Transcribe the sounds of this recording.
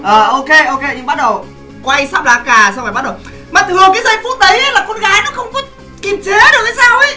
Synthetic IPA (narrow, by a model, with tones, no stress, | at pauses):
ʔəː˨˩ʔo˧ke˧ʔo˧ke˧ɲɨ˧ŋɓa˦˥t̚ɗə˨˩w | kwa˧jsaː˦˥p̚laː˧˩kaː˨˩sa˧wfaː˨˩ɓ̚ɗə˨˩w | maː˨˩t̪ɨ˨˩əkaː˨˦jza˧jfu˦˥t̚ɗə˨˦jlaː˨˩ko˨˧˦nɣaː˨˦jnɔ˨˦xə˧wŋ͡mkɔ˨˦˥ | ki˨˩mt͡ɕe˨˦ɗɨ˨˩ək̚ʔə˨˦jsaː˧wi˨˦